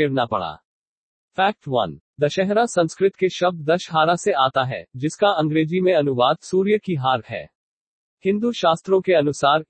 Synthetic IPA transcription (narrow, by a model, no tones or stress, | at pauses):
eːɽnapɐ̰ɽa̰ː | fʰɛːk̚ʈʋɐ̰n | d̪ɐʃɛɦɾasɐ̃nskɾɪt̪keʃɐb̚d̪̚d̪ɐʃɦaːɾaseaːt̪aɦɛ̰ːd͡ʒɪskaɐ̃ŋɡɾeːd͡ʒimẽɐnʊʋaːd̪suːɾjəkiɦaːɾɦɛ̰ː | hɪ̃nd̪uʃaːst̪ɾõkeɐnʊsaːɾ